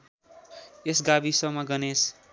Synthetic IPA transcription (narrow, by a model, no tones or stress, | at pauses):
esɡabisʌmʌɡʌnes